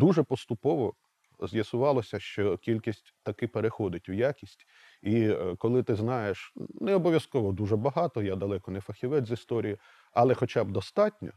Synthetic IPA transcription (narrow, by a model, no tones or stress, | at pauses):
d̪uʒɛpɔst̪ʊpɔʋɔ | zjɐsʊʋɑlˠɔsʲɐʃt͡ʃɔkʲilʲkʲisʲtʲt̪ɐkɪpeɾexɔd̪ɪtʲʊjakʲisʲtʲ | ikɔlˠɪt̪ɪznɑjeʃnɛɔbɔʋʲjɐskɔʋɔd̪uʒɛbɐɦɑt̪ɔjad̪ɐlˠɛkɔnɛfɐxʲiʋɛd̪zist̪ɔɾʲiji | ɐlˠɛxɔt͡ʃabd̪ɔst̪ɑtʲnʲɔ̰